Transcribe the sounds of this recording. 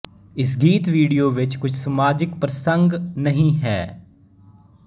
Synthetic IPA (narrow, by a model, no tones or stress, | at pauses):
ɪs̬ɡiːt̪ʋiːɽijoːʋɪt͡ʃkʊt͡ʃʰsɐmaːd͡ʒɪkpɾɐsə̃ŋɡnɐɦĩɦɛː